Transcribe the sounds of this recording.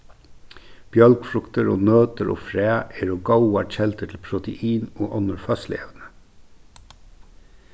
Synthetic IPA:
b̥jœlkfɾʊkt̪əɾo̰ːnøːt̪əɾʔo̰ːfɾæːʔeːɾoːɡɑʊɑc͡çɛlt̪ətʰl̩pʰɾʊt̪əʔiːnoːʔɑnəɾfœslɪḛːʋnə

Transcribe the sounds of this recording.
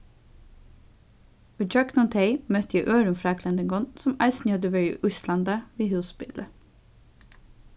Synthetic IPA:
ʉd͡ʒœknɔnt̪ʰeɪmœt̪jæɪʔøːɾʉmfɾɑːkʰlɛnd̪əŋɡɔnsɔmɑɪsnjɔd̪əʋəɹḭːʔʉslɑnd̪ɑʋiːhʉːsbɪ̰lə

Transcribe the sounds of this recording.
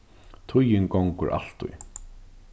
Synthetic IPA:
t̪ʰʊjɪnkɔŋkʊ̰ɹʔa̰l̥t̪ʊ̰j

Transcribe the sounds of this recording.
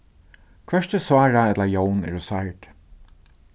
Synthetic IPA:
kʰvɛʂt̪əsvaːɹaɛt̪laɹjownɛ̰ɹʊsajʈ

